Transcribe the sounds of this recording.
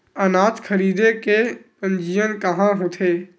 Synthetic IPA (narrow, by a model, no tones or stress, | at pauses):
ənaːt̪kʰəɾiːd̪eke | ə̃nd͡ʒijənkəɦãɦõt̪ʰeː